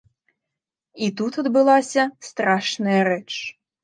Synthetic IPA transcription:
it̪ut̪ɔd̪bɪlˠɑsʲɐst̪ɾɑʃnɐjɐɾɛt͡ʃ

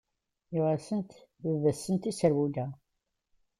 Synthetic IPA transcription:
jʊʁæsənt̪əðːəsənt̪isəɾwud̪æ

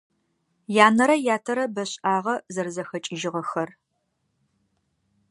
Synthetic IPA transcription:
jaːnɐɾɐjaːtʰɐɾɐbɐɕʼaːʁɐzɐrzɐxɐt͡ʃʼɪʒɪʁɐxɐr

